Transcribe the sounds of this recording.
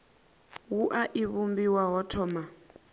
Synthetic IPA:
wuʔaʔiβumbiwaɦɔtʰɔːma

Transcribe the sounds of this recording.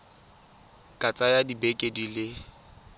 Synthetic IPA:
kʼat͡sʼajadibekʼedilɪ

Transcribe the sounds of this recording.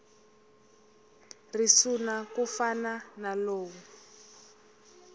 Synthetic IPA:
risunakufananaloːwu

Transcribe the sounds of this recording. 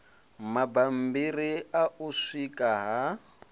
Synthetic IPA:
mabam̩biriaʔuʂikʼaɦa

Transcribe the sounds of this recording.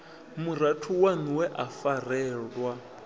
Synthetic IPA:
muɾatʰuwaniwɛʔafarɛːɺwa

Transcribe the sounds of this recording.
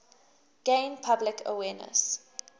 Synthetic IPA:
ɡ̥ẽɪ̃npʰablɪkʰə̰wɛːnə̰s

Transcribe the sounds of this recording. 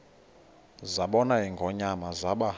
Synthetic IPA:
zaɓɔnaɦiŋɡʱɔɲamazaɓa

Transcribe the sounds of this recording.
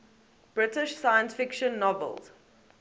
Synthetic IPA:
b̥ɹɪtɪʃsaɪə̃nsfɪkʃə̃nːɔvə̰lˠz̥

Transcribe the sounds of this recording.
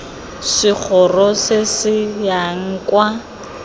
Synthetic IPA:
sɪk͡xʰɔrɔsɪsɪjaŋ̩kwa

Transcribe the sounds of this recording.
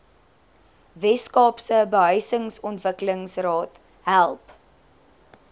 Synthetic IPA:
vɛskɑːpsəbəɦœɥsəŋsɔntvəkələŋsrɑːt | ɦælˠp

